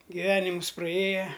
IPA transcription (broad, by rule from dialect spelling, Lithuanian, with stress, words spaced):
ɡʲɪˈʋʲæːnʲɪmʊs prɐˈeːjɛ